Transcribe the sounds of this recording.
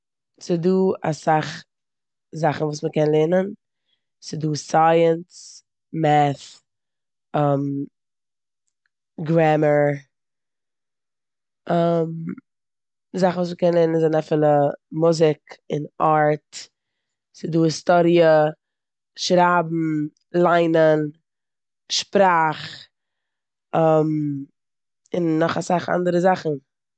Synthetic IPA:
sɪduːa̰saχ | zaχn̩vuːsməkɛnlˠɛnən | sɪduːsaɪəns | mɛθ | ɛm | ɡɾɛməɹ | am | zaχnvuːs̬miːkɛnlˠɛnənzaɪnafɪlˠəmʊzɪkɪnaɹt | sɪduːɪstɔɾiə | ʃɾaːbm̩ | lˠaɪnən | ʃpɾaːχ | ɔm | ɪnːɔχasaχa̰ndəɾəzaχn̩

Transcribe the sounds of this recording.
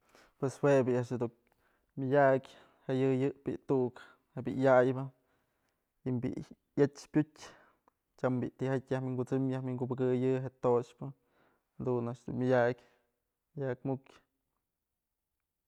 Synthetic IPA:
pweshwebiaʔʃad̪u | mʲɨjʲakʲ | hejɨjɨʔpḭʔt̪uʔk | hebḭʔjajbɨ | imbḭʔ | jat͡ʃpʲutʲ | t͡ʃambiʔt̪ihajt̪ʲjahmiŋɡut͡sɨmjahmiŋɡubɨɡɨjɨɦeʔt̪ot͡ʃpɨ | had̪unaʔʃd̪ṵnmʲɨjʲakʲ | jak̚mukʲ

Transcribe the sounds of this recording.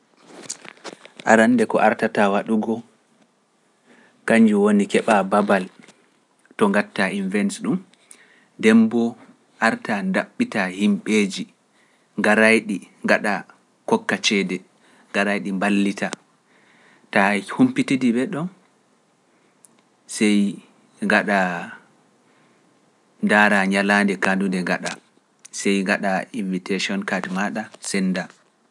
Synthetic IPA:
ʔa̰ɾanːdɛkɔ̰ʔaɾtatawaɗuɡɔ | kaɲd͡ʒuwonikɛɓababal | tɔŋɡatːainvɛnsɗum | dɛmbɔ | ʔaɾtandaɓːitahimɓeːd͡ʒi | ŋɡaɾajɗiŋɡaɗa | kɔkːat͡ʃɛdɛ | ŋɡaɾajɗimbalːita | tahumpitidibɛɗɔn | sɛj | ŋɡaɗa | daɾaɲalandɛkandundɛŋɡaɗa̰ | sɛjŋɡaɗainvitasiɔnkatmaɗasɛnːda

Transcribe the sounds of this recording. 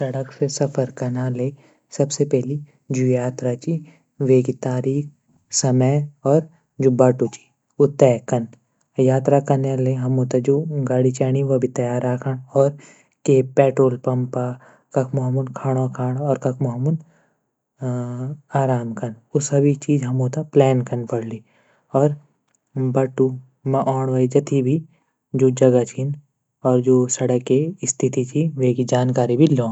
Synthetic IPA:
sɐɽəksesɐpʰəɾkɐnale | sɐbsepɛɦli | d͡ʒujaːt̪ɾat͡ʃi | ʋeːɡit̪aːɾiːk̚ʰ | sɐməjɔːɾ | d͡ʒʊbaːʈut͡ʃi̥ | ʊt̪ɛːkɐn | jaːt̪ɾakɐnaleɦɐmut̪ɐd͡ʒuɡaːɽit͡ʃaːɽiʋɐbʱit̪ɐjaːɾakʰəɳ̃ɔːɾ | keːpɛːʈɾoːlpɐ̃mpa | kɐkʰmoɦmunkʰaːɽ̃okʰaːɽɔːɾkɐkʰmoɦmun | aːɾaːmkɐn | ʊsɐbʱit͡ʃiːd͡ʒɦɐmoːt̪aplɛːnkɐnpɐɽ̤li | ɔːɾ | bɐʈːu | mɐʔɔːɳʋɐjd͡ʒɐt̪ʰibʱi | d͡ʒoːd͡ʒɐɡat͡ʃʰin | ɔːɾd͡ʒoːsɐɽəkːeɪst̪ʰit̪it͡ʃʰiʋeːkid͡ʒaːnkaːɾibʱilɔ̃ː

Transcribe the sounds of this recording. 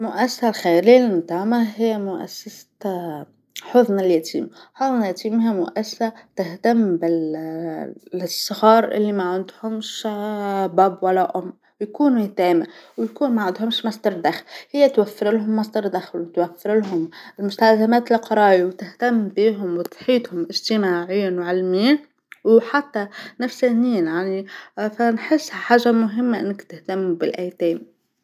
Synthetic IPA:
lmʊʔæsːasalxæliːlmt̪aːʕmæhɪjːmʊʔæ̰sːas | ħoðˤnɪljæt̪ʰḭːmħoðˤnjæt̪iːmhiːmʊʔæsːḁsat̪ɪht̪ambɪ | sˤːɑɣɑːɾˤʔɪ̰lːimaʕɪnd̪hʊmʃ | bæbwælːæʔʊmː | wjkuːnut̪æːmɪwjkuːnmaʕand̪hʊmʃmɑsd̪ɑɾˤd̪axlhɪjːat̪wafːɪɾɪlɦʊmːasd̪ɑɾˤd̪axlwt̪wafːɪɾlɦʊmɪlmʊst̪alzamæːt̪ɪlqɑɾˤɑːjiwt̪ɪht̪amːbiːɦʊmwɪt̪ħiːt̪hʊmʔɪʒt̪ɪmaːʕɪjːanwʕɪlmiː | wħat̪ːanafsaːniːanjaʕnifanħɪsːħaːʒːamʊɦɪmːaʔɪ̰nːɪkt̪ɪht̪amːubɪlʔaːjt̪eːm

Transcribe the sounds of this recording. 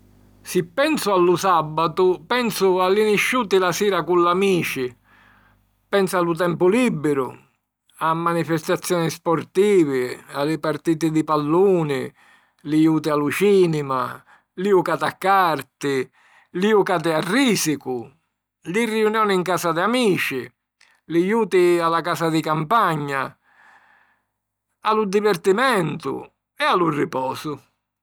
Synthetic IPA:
sɪpːɛnsʊalːusabːat̪ʊpɛnsʊalːiniʃːuːt̪ɪlasiːɾakulːamiːt͡ʃɪ | pɛnsalut̪̬ɛmpʊlibːɪɾʊ̰ | amːanifɛst̪at̪sːjɔːnɪspɔɾt̪iːvɪalːɪpart̪iːt̪ɪd̪ipalːuːnɪ̰ | lijuːt̪ɪalut͡ʃiːnɪma̰ | liukaːt̪akːart̪ɪ | liukaːt̪̬ɪarːiːsikʊ | lirːiunjɔːnɪiŋkaːsad̪ɪamiːt͡ʃɪ̰ | lijuːt̪ɪalakaːsad̪ɪkampaɲːa | alud̪ivɛrt̪imɛnt̪ʊ̰ | ɛalurɪpɔːsʊ

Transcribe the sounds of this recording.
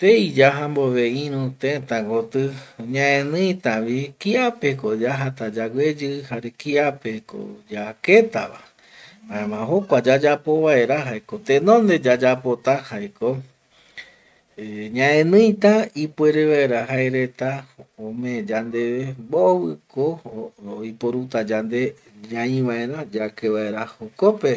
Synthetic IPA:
t̪eid͡ʒaɦamboʋeĩɾ̃ũt̪ẽt̪ãŋɡot̪ɨɲãẽnɨ̃j̃t̪aʋikiapekod͡ʒaɦat̪ad͡ʒaɡʷed͡ʒɨhaɾekiapeko̰d͡ʒaket̪a̰βa̰ | maẽmãɦo̞kʷad͡ʒad͡ʒapo̞βae̞ɾaɦaeko̞t̪ẽnõ̞nd̪e̞d͡ʒad͡ʒapot̪ahaeko | eɲãẽnɨ̃jt̪aipwe̞ɾeʋaeɾaɦaeɾe̞t̪aõmẽd͡ʒand̪e̞ʋebowɨkooipoɾut̪ad͡ʒand̪e̞ | d͡ʒãĩʋae̞ɾad͡ʒakeʋae̞ɾahokope

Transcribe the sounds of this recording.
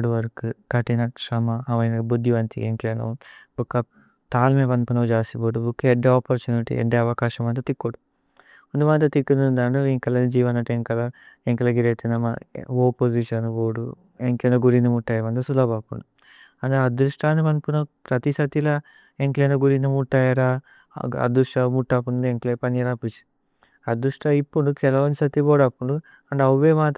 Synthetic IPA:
ɖʋɐɾkɨkɐʈinɐʈʂɐmɐɐʋɐjnɐbud̪jiʋɐnt̪ḭeŋklenɐ̰bukːɐp | t̪aːlmeʋɐnpunɐʋd͡ʒaːsiboːɖubukːeeɖːeoːpoɾt͡ʃuːniʈḭḛɖːeɐʋɐkaːʃɐmɐnt̪ɐt̪ikːoɽu | und̪uʋɐnt̪ɐt̪ikːunuund̪aɳɖɐiŋkɐlɐnid͡ʒiːʋɐnɐʈeŋkɐlɐ | eŋkɐlɐɡiɾet̪inɐmɐ̰oːpod͡ʒiʃɐnʋoːɽu | eŋkenɐɡuɾind̪ɐmuʈːaːjɐʋɐnd̪ɐsulaːbaːpṵɳɖu | ɐnd̪eɐd̪ɾuʂʈaːnimɐnpunɐpɾɐt̪isɐt̪ilɐ | eŋklenɐɡuɾind̪ɐmuʈːaːjaːɾaː | ɐ̰d̪uʂʈɐmuʈːapːuneŋklepɐniɐɾapːut͡ʃi̥ | ɐd̪uʂʈɐipːunukɛlɐʋɐnisɐt̪iboːɽɐpːuɳɖu | ɐɳɖɐʋuʋeːmaːt̪

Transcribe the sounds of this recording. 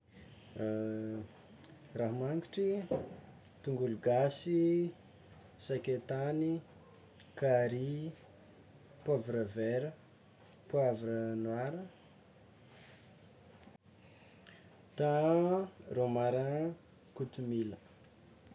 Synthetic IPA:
raɦmaŋɡiʈ͡ʂi | t̪uŋɡuluɡasi | sakʲet̪ani | kaɾi | pavɾəveɾə | pwavɾənwaɾə | t̪a | romaɾa | kut̪umilə

